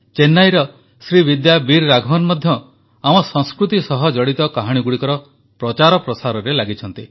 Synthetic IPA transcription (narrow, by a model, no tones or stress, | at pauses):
t͡ʃenːajɾɔ | sɾiβid̪jabiɾːaɡʱɔmanmɔd̪ʱjɔ | amɔsɔ̃ŋskɾut̪isɔɦɔd͡ʒɔɽit̪ɔkaɦaɽ̃iɡuɽikɔɾɔ | pɾɔt͡ʃaɾɔpɾɔsaɾɔɾelaɡit͡ʃʰɔnt̪i